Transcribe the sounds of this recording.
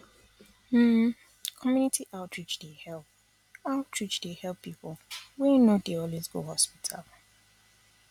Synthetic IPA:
m̩ | kʰɔmjunitʰiʔaʊtʰɹit͡ʃdehɛlp | aʊtʰɹit͡ʃdehɛlpːipɔwɛ̃nodeɔlwezɡo̰ɦɔspitʰa̰l

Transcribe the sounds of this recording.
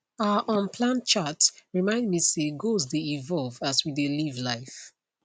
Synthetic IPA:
aəʔɔ̃npʰlãnt͡ʃatɹimãɪ̃ndmiseɡozdeivɔlˠvaswidelivlaɪf

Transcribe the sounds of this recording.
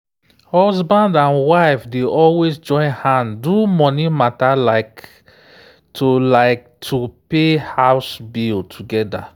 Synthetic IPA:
hɔzbãndãnwaɪfdeʔɔlwesd͡ʒɔ̃ɪ̃nhãndumɔnimatalaɪk | tʰulaɪk̚tʰupehaʊsbiltʰuɡɛda

